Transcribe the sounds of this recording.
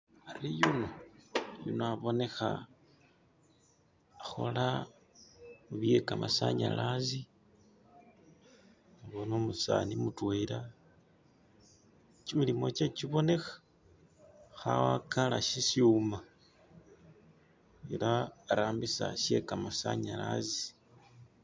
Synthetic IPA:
aɾijunojunoaβo̞ne̞xa̰ | xo̞̰la | muβie̞kamasa̰ɲa̰lazi | βonomusa̰nimutweɾa | t͡ʃimilimo̞t͡ʃet͡ʃiβo̞ne̞xḁ | xawakalaʃisjiuma | elaːɾaːmbisa̰ʃe̞kamasaɲala̰zi

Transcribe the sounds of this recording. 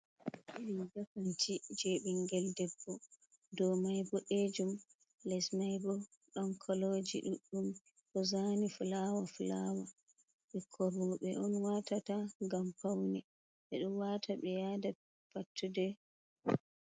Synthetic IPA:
ʔiɗind͡ʒafantid͡ʒeɓiŋɡɛldɛbːɔ | dɔmajbɔʔed͡ʒum | lɛsmajbɔ | ɗɔnkʰɔlod͡ʒiɗuɗːum | ʔɔzanifulawafulawa | ɓɛkʰɔɾɔɓɛʔɔnwatataŋɡampawnɛ | ɓɛɗumwatʰaɓɛjada | patːudɛ

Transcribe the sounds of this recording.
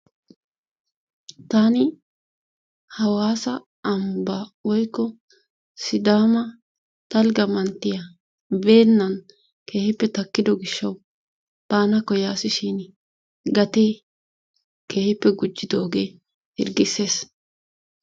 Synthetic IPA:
t̪anɪ | hɐwaːsɐː | mbɐwɔjkːɔ | sɪd̪aːmɐ | t̪ɐlɡɐmɐnt̪ːɪjɐ | be̞ːnːɐn | ke̞ːhɪpːɛt̪ɐkːɪd̪ɔɡɪʃːɐw | b̥aːnɐkːɔjaːsɪʃɪn | ɡɐt̪e̞ː | ke̞ːhɪpːɛɡʊd͡ʒːɪd̪oːɡe̞ː | hɪɾɡɪse̞ːs

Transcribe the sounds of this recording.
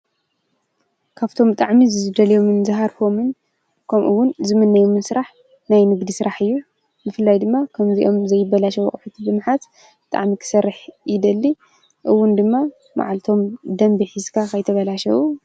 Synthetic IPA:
kʰaβt̪ʰo̞mt̪ʼaʕmizɨzɨd̪ɐljo̞mɨnzɨɦaɾfo̞mɨn | kʰɐmʔɨ̰wːʊnzɨmɨnːɐjomɨnsɨɾaħ | najnɨɡd̪isɨɾaħɨjːu | bɨfɨlːajd̪ɨmːakʰɐmziʔo̞mzɐjːɪbːɐlaʃɐw̰χʼħut̪ʰibɨmħat̪ | bɨt̪ʼa̰ʕmikʰɨ̥sɐrːɨħɪd̪ɐlːi | ʔɨwːʊnd̪ɨmːa | ma̰ʕalt̪ʰo̞md̪ɐmbiħɨzkʰakʰɐjt̪ʰɐβɐlaʃɐwu

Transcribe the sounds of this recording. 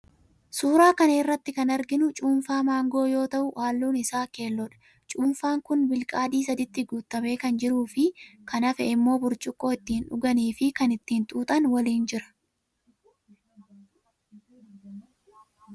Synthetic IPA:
suːɾaːkɐnerːɐt̪ːɪkɐnɐɾɡɪnʊt͡ʃʼuːnfaːmaːŋɡo̞ːjo̞ːt̪ɐʔʊʔaːlːuːnɪsaːke̞ːlːɔᶑɐ̥ | t͡ʃʼuːnfaːŋkʊnbɪlkʼaːd̪iːs̬ɐd̪ɪt̪ːɪɡuːt̪ːɐme̞ːkɐnd͡ʒɪɾuːfɪkɐnɐfɛɪmːo̞ːbʊɾt͡ʃʼʊkʼːo̞ːɪt̪ːiːnʊɡɐniːfɪkɐnɪt̪ːiːnt̪ʼuːt̪ʼɐnwɐliːnd͡ʒɪɾɐ̥

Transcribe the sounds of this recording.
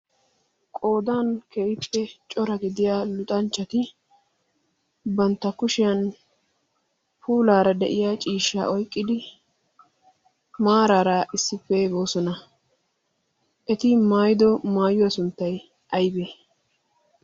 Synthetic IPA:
kʼo̞ːd̪aːnkeːjɪpːɛt͡ʃʼɔɾɐɡɪd̪ɪjaːlʊt̪ʼɐnt͡ʃːɐt̪ɪ | bɐnt̪ːɐkʊʃɪjɐn | puːlaːɾɐd̪ɛʔɪjaːt͡ʃʼiːʃːa̰ːʔɔjkʼːɪd̪ɪ | maːɾaːɾaʔɪsːɪpːebo̞ːsɔnɐ | ʔɛt̪ɪmaːjɪd̪ɔmaːjʊwɐsʊnt̪ːɐj | ʔɐjbeː

